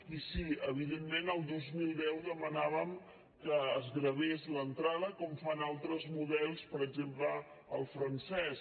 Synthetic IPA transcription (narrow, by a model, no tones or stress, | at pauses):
isiəβ̞iðemːenəlˠd̪ozmilˠd̪ɛwðəmənaβəm | kəːzɣɾəβezlənt̪ɾað̞əkɔmfanalˠt̪ɾəzmuðɛlˠspəɾəɡzemplə | əlˠfɾənsɛs